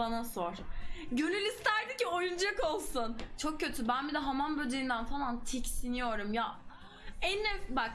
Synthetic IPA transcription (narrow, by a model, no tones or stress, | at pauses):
anaso̞ɾ̥ɟønylʲist̪ʰæɾd̪iciojund͡ʒakolˠsunt͡ʃʰo̞k̚cːø̞t̪ʰybænbid̪ɛɦamanbød͡ʒ̪eind̪ænfalˠant̪ʰɛcsinijo̞ɾumja | ɛnːɛfbak